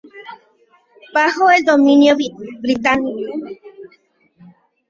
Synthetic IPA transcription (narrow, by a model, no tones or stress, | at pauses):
paɦoed̪omĩnjoβibɾit̪ani